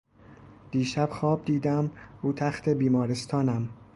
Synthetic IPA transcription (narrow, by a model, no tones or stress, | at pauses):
d̪̥iːʃæb̥xɒːb̚d̪iːd̪æmuːt̪ʰæxt̪ʰe̞biːmɒːɾest̪ʰɒːnæm